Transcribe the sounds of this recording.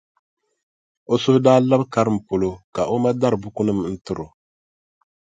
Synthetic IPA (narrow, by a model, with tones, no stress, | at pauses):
o˦sʊ˦hʊ˦daː˦la˦bka˦ɾɨ˦m̩˨po˨lo˨ka˨ʔo˦ma˦da˦ɾɨ˨bu˦ku˦nɨ˦mn̩˦tɨ˦ɾo˨